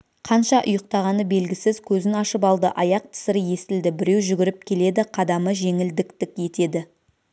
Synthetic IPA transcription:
qʰɑnʃɑʔʊ̰jəq̚t̪ɑʁɑnəbe̞lɡʲɪsɪzkʲʰɵzɪnɑʃəp̬ɑlˠd̪əʔɑjɑq̚t̪ʰɪ̥sɪɾəje̞st̪ɪld̪ɪbɪɾe̞wʒʏɡʲɪɾɪp̚kʲʰe̞le̞d̪ɪqʰɑd̪ɑməʒe̞ŋɪld̪ɪkt̪ɪkʲje̞t̪e̞d̪ɪ

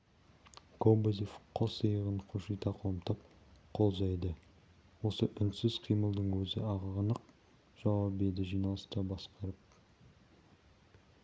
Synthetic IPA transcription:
kʰobozifqʰosəjəʁəɴqʰoʃijt̪ɑqʰomt̪ɑp̚ | qʰo̞lˠʒɑjd̪ə | wo̞səʔʏnsɪzqʰijməlˠd̪əɴwʰɵzɪ̰ɑʁɑʁənəq | ʒ̥ɑwɑpbed̪ɪʒijnɑlˠəst̪ɑbɑsqɑɾəp̚

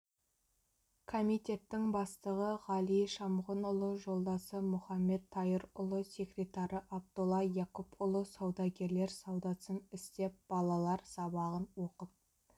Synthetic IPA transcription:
kʰomit̪ʲe̞t̪ːɪŋbɑst̪əʁəʁɑlˠijʃɑmʁənʊlˠəʒo̞lˠd̪ɑsəmʊχɑmːe̞d̪ʰːɑjəɾʊlˠəse̞krʲe̞t̪ɑɾəʔɑb̚t̪olˠɑjɑkupʊlˠəsɑwd̪ɑɡʲe̞ɾle̞ɾsɑwd̪ɑsənɪst̪e̞p̚b̥ɑlˠɑlˠɑɾsɑbɑʁənwoqəp̚

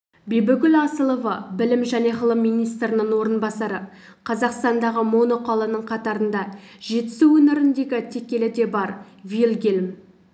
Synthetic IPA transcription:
bebɪkʲʏlɑsəlˠovɑbɪlɪmʒæne̞ʁəlˠəmːijnijst̪əɾɪnəɴwo̞ɾənbɑsɑɾə | qʰɑzɑqst̪ɑnd̪ɑʁəmo̞noqolˠənəɴqʰɑt̪ɑɾənd̪ɑ | ʒe̞t̪ɪ̥suɵnɪɾɪnd̪e̞ɡʲɪt̪ʰe̞kʲe̞lɪd̪e̞bɑɾ | vilɡʲelm

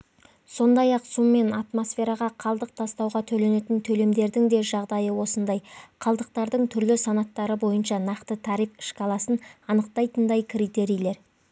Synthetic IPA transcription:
so̞nd̪ɑjɑqsumːe̞nat̪mo̞sfe̞ɾɑʁɑqʰɑlˠd̪əq̚t̪ʰɑst̪ɑwʁɑt̪ʰɵle̞ne̞t̪ɪnt̪ʰɵle̞md̪e̞ɾd̪ɪŋd̪e̞ʒɑʁd̪ɑjəwo̞sənd̪ɑjqʰɑlˠd̪əq̚t̪ɑɾd̪əɴt̪ʰʏɾlɪsɑnɑt̪ːɑɾəbo̞jənʃɑnɑqt̪ət̪ʰɑɾijfɪ̥ʃkʰɑlˠɑsənɑnəqt̪ɑjt̪ənd̪ɑjkʲʰrijt̪e̞ɾijlˠe̞ɾ

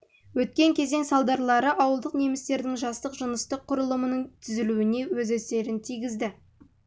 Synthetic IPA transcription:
wɵt̪̚kʲe̞ŋkʲʰe̞ze̞nsɑlˠd̪ɑɾlˠɑɾəʔɑwəlˠd̪əqne̞mɪst̪e̞ɾd̪ɪŋʒɑst̪əqʒənəst̪əqʰːʊɾəlˠəmənəɴt̪ʰʏzɪluɪne̞wɵzæse̞ɾɪnt̪ʰijɡʲɪzd̪ɪ

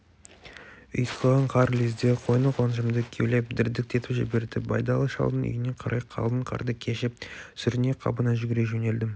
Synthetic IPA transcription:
ḭjsəlˠʁɑɴqʰɑɾlizd̪eqʰo̞jnəqwɑnʒəmd̪əkʲʰewle̞p̚d̪ɪɾd̪ɪk̚t̪ʰe̞t̪ɪʒɪ̰be̞ɾd̪ɪbɑjd̪ɑlˠəʃɑ̰lˠd̪ənʏ̰jɪne̞qʰɑɾʔɑjqʰɑ̰lˠd̪əɴqʰɑ̰ɾd̪əkʲʰeʃɪp̚sʏɾɪne̞qʰɑ̰bənɑʒʏɡʲɪɾeʒɵne̞ld̪ɪm

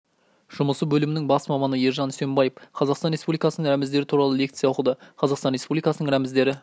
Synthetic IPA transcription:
ʒ̥ʊməsəbɵlɪmɪnɪŋbɑsmɑmɑnəjeɾʒɑnsembɑjefqʰɑzɑqsɑnɾespublikɑsənəŋɾæmɪzd̪e̞ɾɪt̪ʰuɾɑlˠəle̞kt̪sɨjɑwʊəqəd̪əɑzɑqst̪ɑnɾespublijkɑsənəɴɾæmɪzd̪e̞ɾɪ

